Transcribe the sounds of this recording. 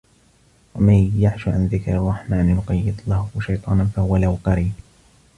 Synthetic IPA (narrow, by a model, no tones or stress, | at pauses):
wamanjaʕʃaʕanðɪkɾɑrˤːɑħmaːnjʊqɑjːɪd̪lahʊʃajt̪ˤɑːnanfahʊwalahwqɑɾiːb